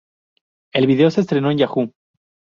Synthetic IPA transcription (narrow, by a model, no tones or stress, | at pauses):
e̞lβiðe̞o̞se̞ːs̬t̪ɾe̞no̞enʝaxu